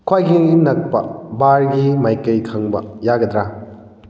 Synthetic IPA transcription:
kʰwajkʰiŋinɐk̚pɐbaɾɡimajkɐjkʰɐŋbɐ̰jaɡɐd̪ɾa

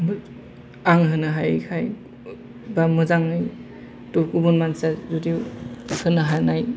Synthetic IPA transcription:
b | aŋɦɯnɯɦajkʰaj | bamɯzaŋɯj | tukubunmansazudiwhɯnɯɦanaj

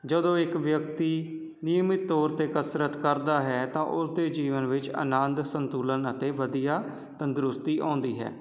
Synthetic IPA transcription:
d͡ʒəd̪õːɪkʋjək̚t̪iː | nɪjəmɪt̪ːɔːɾt̪eːkəsɾət̪kəɾd̪aːɦɛːt̪ãːʔʊsd̪eːd͡ʒiːʋənʋɪt͡ʃə̰nənd̪sənt̪uːlənət̪eːʋəd̪ijaː | t̪ənd̪ɾʊst̪iːʔã̰ːnd̪iːɦɛ̰ː

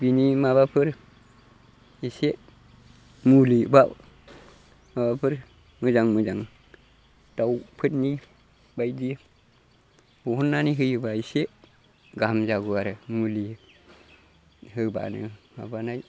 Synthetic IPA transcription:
binimabapəɾ | ise | muliba | mabapəɾ | məd͡ʒaŋmud͡ʒaŋ | tawpʰətni | baidij | buhunːaniɦəjəbaise | ɡamd͡ʒaɡuaɾemuli | həba̰nə̰ma̰banaj

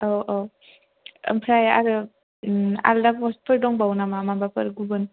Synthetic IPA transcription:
oʔo | ə̰mpʰɾaja̰ɾɯ | a̰ldapɔs̚pʰɯɾdɔŋbawnamamabapɯɾɡubɯn

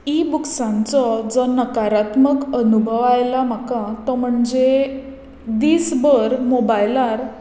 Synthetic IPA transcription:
ibuksãnt͡sɔd͡zɔnəkaɾat̪məkənubʱəʋajlam̤akat̪ɔm̤əɳd͡ze | d̪iːsbəɾmobajlaɾ

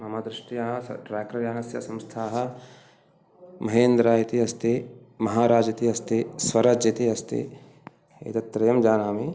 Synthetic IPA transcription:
mɐmad̪ɾɪʃʈijɐɦɐsɐ̰ʈɾɛːkɾɐɾjaːnɐsjɐ̰sɐ̃mst̪ʰaːɦɐ̆ | mɐɦeːnd̪ɾaːjit̪iɦɐst̪e | mɐɦaːɾaːd͡ʒɐt̪iɦɐst̪eswɐɾaːd͡ʒjɐt̪iɦɐst̪ḛ | ḛːt̪ɐt̪ːɾɐjɐmd͡ʒaːnaːmi

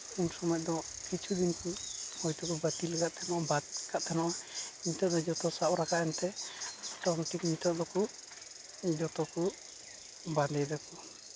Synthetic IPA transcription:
unsɔmɔjɔʔd̪ɔkit͡ʃʰud̪inkuhɔjt̪ɔkɔbət̪ilɛɡaʔ̪t̪ʰɛmɔʔabat̪̚kaʔ̚t̪ʰanɔʔamit̪ɔʔd̪ɔd͡ʒɔt̪ɔsaʔɾakaʔɛnt̪ɛt̪ɔŋʈikmit̪ɔʔd̪ɔku | d͡ʒɔt̪ɔku | bad̪ɛjd̪ɛkɔ

